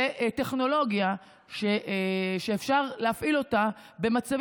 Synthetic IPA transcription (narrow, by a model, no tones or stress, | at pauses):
eʔte̞χno̞lo̞ɡja | ʃeʔʃeefʃaʁleafʔilo̞ta | be̞mat͡sav